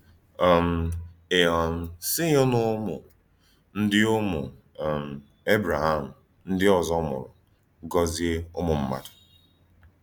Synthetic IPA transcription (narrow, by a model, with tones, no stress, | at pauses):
ɔ˨m̩˨e˨ɔ˨n̩˨si˦ɲo˦nʊ˦mʊ̰˨ | n̩˦dɪ˦o˦mʊ̰˨ | m̩˨ | e˦bɾa˨ɦa˦˨m̩˨ | n̩˦dɪ˦ɔ˨zɔ˦mʊ̰˨ɾʊ̰˨ | ɡɔ˦zi˦e˦o˦mʊ˨m̩˦ma̰˦˨dʊ̥˨